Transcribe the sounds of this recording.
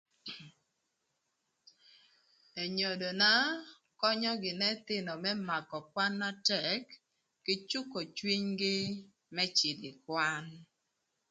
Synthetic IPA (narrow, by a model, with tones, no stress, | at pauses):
e˨ɲo˨do˨na˦ | kɔ˦ɲɔ˦ɡɪ˨nɛ˦t̪ɪ˦nɔ˨mɛ˦ma˨kɔ˨kwa˦nma˦tɛ˨kː | ɪ˦t͡ʃu˦ko˨t͡ʃwi˦ɲɡɪ˦ | mɛ˦t͡ʃɪ˨dɪ˨kwa˦n